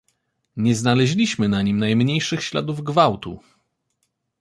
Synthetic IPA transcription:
ɲɛznalɛʑlʲiɕmɘnaɲimnajmɲejʂɘxɕla̰d̪uvɡvawt̪ṵ

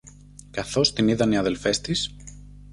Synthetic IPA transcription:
kɐθo̞st̪iniðɐniɐðelfe̞st̪is

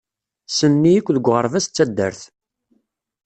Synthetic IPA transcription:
sənːijikʷːðəɡʷːʁəɾˤvæst͡sːæd̪ːə̰ɾθ

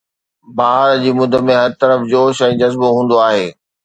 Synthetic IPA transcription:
baːɾd͡ʑiːmʊd̪ʱəmẽɦɐɾt̪ɐɾəfd͡ʑoːʃɛ̃ːd͡ʑɐzboɦũːn̆d̪oaːɦeː

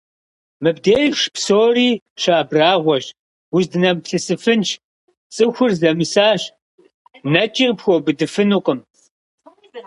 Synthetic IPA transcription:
mɨbdeːjʃpsoːriː | ɕaːbraːʁʷɔɕ | wʊzdɨnɐmpɬɨsɨfɨnt͡ʃ | t͡sʼɨxʷʊrzɐmɨsaːɕ | nɐt͡ʃʼɪrpxʷobɨdɨfɨnuqʼəm

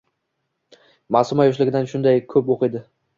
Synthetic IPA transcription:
masʊmajʊʃ̬lɪɡʲɪd̪anʃʊnd̪ajkʰɵpoqɨjd̪ɪ

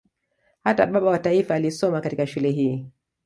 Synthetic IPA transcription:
hata̰ɓaɓawataifaːlisɔmakatikaʃulɛɦiː

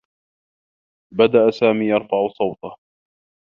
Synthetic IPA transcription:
bad̪aʔasaːmiːjɑɾˤfɑʕʊsˤɑwt̪ɑh

